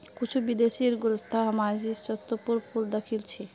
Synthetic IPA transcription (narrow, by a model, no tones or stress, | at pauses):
kit͡ʃʰubid̪eʃiɾɡuɾost̪ʰaɦəmad͡ʒisɔt̪ːopuɾpuld̪əkʰilt͡ɕʰi